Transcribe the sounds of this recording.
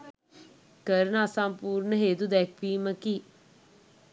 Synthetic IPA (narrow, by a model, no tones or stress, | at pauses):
kəɾənəasampuːɾnəɦeːd̪ud̪ɛk̚ʰʋiːməki